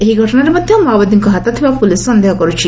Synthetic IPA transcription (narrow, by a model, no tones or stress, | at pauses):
eɦiɡʱɔʈɔnaɾmɔd̪ʱjomabɔd̪iŋkɔɦat̪at̪ʰibapulissɔnd̪eɦɔkɔɾut͡ʃʰi